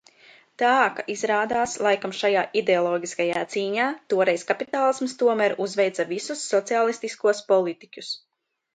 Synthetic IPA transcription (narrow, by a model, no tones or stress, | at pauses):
t̪aːkaʔizɾaːd̪aːslˠajkamʃajaːʔid̪eɔlˠɔːɡʲiskajaːt̪siːɲaːt̪uɔɾɛjskapit̪aːlˠismst̪uɔmæɾuzvɛjt̪savisusːɔt̪siaːlˠist̪iskuɔspɔlˠit̪icʲus